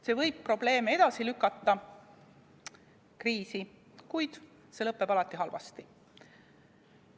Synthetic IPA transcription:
se̞vɤjb̥̚pro̞ble̞ːmee̞d̪̥ɑsilykːˑɑt̪ːˑɑ | kriːsi | kujd̪̥ | se̞lɤpˑːeb̥ɑlɑt̪ːˑihɦɑlvɑ̰st̪i

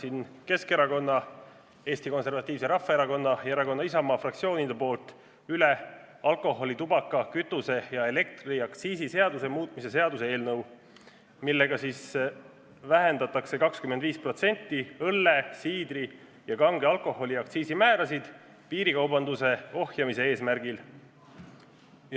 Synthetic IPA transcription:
sinke̞ske̞ɾɑko̞nːɑ | e̞ːst̪iko̞nse̞rvɑt̪ʲˑːiːvse̞ɾɑfːɑeɾɑko̞nːɑjeɾɑko̞nːɑis̬ɑmɑːfrɑk̚t̪sio̞ːnid̪̥epo̞ːlt̪ːˑ | yle | ɑlko̞ho̞lit̪ubɑkːˑɑkyt̪ːˑuse̞jɑe̞le̞k̚t̪riɑkt̪siːsise̞ɑd̪usemuːt̪ːˑmise̞se̞ɑd̪usee̞ːlnɤw | milːe̞ɡ̥ɑsiːs | væɦe̞nd̪̥ɑt̪ːˑɑkse̞kɑkskymend̪viːspro̞t̪se̞nʲt̪ˑːiɤlːesiːd̪ɾi | jɑkɑŋɡ̥eɑlkˑo̞ho̞lʲiɑkt̪siːsimæːɾɑsid̪̥ | piːɾikɑwbɑnd̪use̞o̞hjɑmise̞e̞ːsmæɾɡ̥il

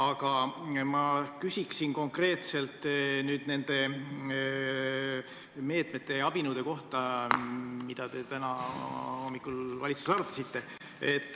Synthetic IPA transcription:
ɑɡ̥ɑmɑkysʲiksinko̞ŋkre̞ːt̪se̞lt̪nyːd̪̥ne̞nd̪̥e̞ | me̞ːt̪met̪ːˑe̞ɑb̥inuːd̪e̞ko̞ht̪ɑ | mid̪̥ɑt̪e̞t̪ænɑho̞mːikːˑulvɑlit̪su̥seɑɾut̪ːˑɑ̥sit̪ːe̞ | et̪ːˑ

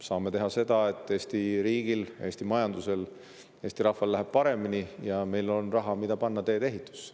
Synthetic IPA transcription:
sɑːme̞t̪e̞ɦɑse̞d̪̥ɑe̞t̪ːˑeːsʲt̪iɾiːɡ̥ile̞ːsʲt̪imɑjɑnd̪use̞l | eːsʲt̪iɾɑhvɑlːæɦeb̥̚pɑɾe̞minijɑme̞jlo̞nrɑɦɑmid̪̥ɑpɑnːɑt̪e̞ːd̪e̞ɦit̪ˑːu̥s

